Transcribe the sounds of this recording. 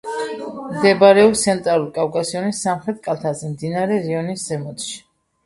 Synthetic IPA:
md̪ɛbaɾɛɔpst̪sʰɛnt̪ʼɾalulkʼafkʼasiɔnisːamχɾɛt̪̚ʼkʼalˠt̪ʰazɛmd̪inaɾɛɾiɔniszɛmɔt̪ʼʃi̥

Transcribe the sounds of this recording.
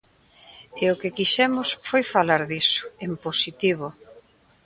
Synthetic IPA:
eʊkɪkiʃɛmʊsfojfalaɾðisʊ̥emposit̪iβo

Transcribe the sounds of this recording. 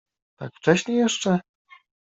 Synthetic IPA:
t̪a̰kft͡ʂɛɕɲejɛʂt͡ʂɛ

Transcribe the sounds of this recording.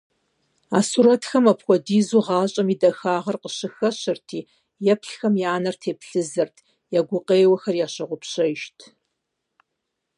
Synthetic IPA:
a̰ːsuɾɐtxɐmɐpxʷɔdiːzuʁɑːɕʼɐmiːdɐxaːʁɐrqəɕɨxɐɕɪrtʰiː | jɛpɬxɐmjaːnɐrtʰeːpɬɨzɨrtʰ | jaːɡʷʊqeːjwɐxɐrjaːɕɐʁʷʊpɕɐʃtʰ

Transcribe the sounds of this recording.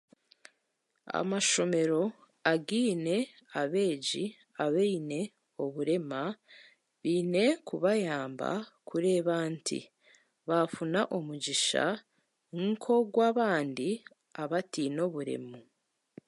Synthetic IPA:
a̰maʃo̞me̞ɾo̞ | aɡiːne̞ | aβe̞ːd͡ʒi | aβeine̞ | oβuɾe̞ma | βiːne̞kuβajaːmba̰kʰuɾe̞ːβaːntʰḭ | βafunaʔomuɟiʃa̰ | ŋkʰo̞ɡwaːβaːndi | aβatino̞βuɾe̞̰mo

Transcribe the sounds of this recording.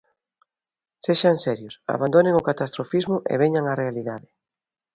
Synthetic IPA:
seʃaŋsɛɾjʊsa̰βand̪oneŋʊkat̪ast̪ɾofizmʊʔḛβeɲaŋarealiðaðɪ

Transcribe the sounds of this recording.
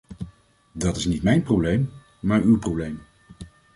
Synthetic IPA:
dɑtɪsnitmɛjnprowblejm | maːɹywprowblejm

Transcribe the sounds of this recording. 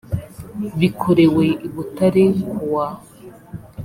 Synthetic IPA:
βikʰoɾeweʔiβutaɾewa

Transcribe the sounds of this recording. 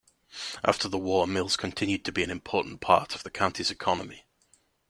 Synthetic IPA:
ʔa̰ftʰəðəwɔːmɪlˠz̥kʰə̃ntʰɪ̃njʉd̚tʰəbiə̃nɪ̃mpʰɔˑʔn̩pʰɑ̰ˑtʰəv̥ðəkʰãʊ̃ntʰizɪkʰɒnəmɪ

